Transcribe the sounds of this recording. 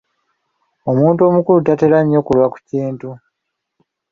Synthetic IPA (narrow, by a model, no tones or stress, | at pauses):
o̞muːnto̞mukulutate̞ɾaɲːo̞kulwaku̥ciːntu